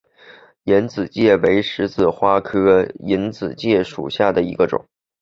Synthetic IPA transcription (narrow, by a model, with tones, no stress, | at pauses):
jɛ˧˥nt͡sɹ̩˨˩t͡ɕjɛ˥˩we˧˥ɪʂɻ̩˧˥t͡sɹ̩˥˩xwa˥kʰɤ˥i˧˥nt͡sɹ̩˨˩t͡ɕjɛ˥˩ʂṵ˨˩ɕja˥˩d̪ə˩ḭ˧˥ɡə˧ʈ͡ʂʊ̰˨˩˦ŋ